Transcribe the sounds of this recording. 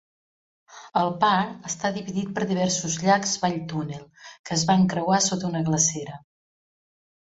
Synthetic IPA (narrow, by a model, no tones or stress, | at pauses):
əlˠpaɾəst̪aðiβiðit̪̚pəɾðiβ̞ɛrsuzʎakzβaʎt̪unelˠkəːzβaŋkɾəwasot̪unəɣləsɛɾə